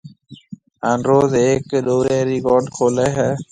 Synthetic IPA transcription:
anɾoːzeːkɗoːɾeːɾikɔɾɖkʰoːlɛːɦɛː

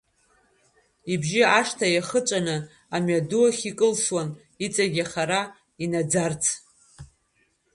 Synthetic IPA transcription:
ibʒiaʂtʰajaχət͡ʃʷʼanɨ | amɥaduaχʲikʼɨlswan | it͡sʼaɡʲaχaɾa | inad͡zart͡sʰ

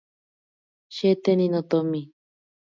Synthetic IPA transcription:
ʃet̪enĩnõt̪omĩ

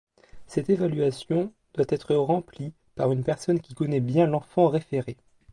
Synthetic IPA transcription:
sɛt̪evalɥasjɔ̃ | d̪̥wat̪ɛt̪χəʁɑ̃pli | paʁynpɛʁsɔnkʲikɔnɛbjɛ̃lɑ̃fɑ̃ʁefeʁe

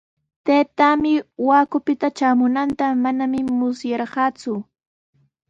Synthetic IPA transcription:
t̪ajt̪amɪwaːkʊpɪt̪at͡ʃaːmʊnant̪amanamɪmʊsjɑɾɢɑːt͡sʊ

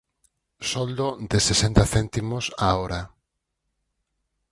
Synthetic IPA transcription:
sɔld̪od̪ɪsesent̪aθɛnt̪imosaoɾa

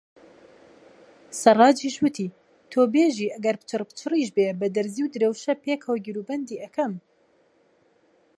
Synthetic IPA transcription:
sɐrˤɑːd͡ʒiʃwɨt̪ʰiː | t̪ʰoːbeːʒiːʔɐɡɐɾpɨ̥t͡ʃʰɨrpɨ̥t͡ʃʰɨriːʃbebɐd̪ɐɾziwd̪ɨɾewʃɐpeːkʰɐwɡiɾuːbɐnd̪iːʔɐkʰɐm

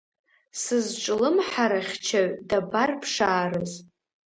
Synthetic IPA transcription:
sɨzʈ͡ʂʼlɨmħaɾaχʲt͡ʃʰaɥdabarpʰʂaːɾɨz

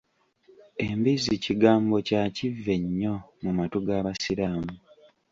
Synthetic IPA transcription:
e̞mbiziciɡaːmbo̞cacivːe̞ɲːo̞mumatoɡaːβasiɾaːmu

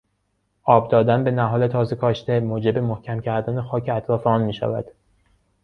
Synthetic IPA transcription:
ʔɒːb̚d̪ɒːd̪ænbe̞næɦɒːle̞t̪ʰɒːze̞kʰɒːʃt̪e̞moːd͡ʒe̞be̞mohcʰæmcʰæɾd̪æːne̞xɒːcʰeæt̪ʰɾɒːfeɒːnmiːʃæ̰væ̰d̪̥

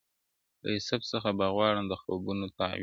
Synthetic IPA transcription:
lə̰ɪsabsəxabaɣwɑɽamd̪əxo̰bunot̪a̰w

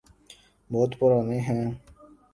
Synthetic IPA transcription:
bɔːt̪pʊɾaːneːɦɛ̃ː

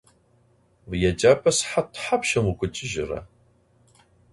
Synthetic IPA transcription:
vjɛt͡ʃʼaːpʰʼɐsħatʰħapʃɐmukʷʰʼʊt͡ʃʼɪʒɪrɐ̰

